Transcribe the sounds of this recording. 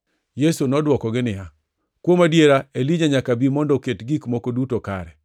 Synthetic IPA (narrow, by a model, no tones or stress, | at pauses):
jesunɔdwɔkɔɡɪnɪja | kwomadjeɾaeliɲaɲakabimɔndɔketɡikmɔkodutoka̰ɾɛ